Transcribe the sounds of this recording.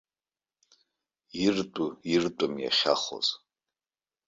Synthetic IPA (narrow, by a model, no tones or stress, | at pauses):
irtʼuirtʼʊmja̰χʲa̰χo̰z̥